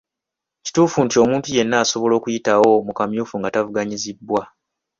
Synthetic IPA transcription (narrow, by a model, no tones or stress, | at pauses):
ci̥tuːfuntio̞muːntuje̞nːaːso̞βo̞lo̞ːkujitawo̞mukamjuːfuŋɡatavuɡaɲizibːwa